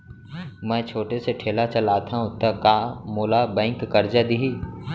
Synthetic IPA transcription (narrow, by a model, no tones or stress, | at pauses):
mɛ̃ːt͡ʃʰoːʈeseʈʰeːlat͡ʃɐlaːt̪ʰaɦũt̪ɐkaːmoːlabɛ̃ːɪ̃ŋkːɐɾd͡ʒad̪iɦiː